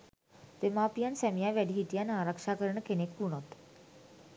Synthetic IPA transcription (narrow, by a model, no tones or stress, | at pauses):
t̪emapijansɛmijaʋɛɽiɦiʈjanaɾəkʂakəɾɳəkʰenekpuɳ̃ot̪